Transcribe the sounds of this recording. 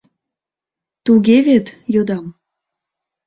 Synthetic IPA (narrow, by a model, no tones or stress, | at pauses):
t̪uɣevet̪jod̪ɑm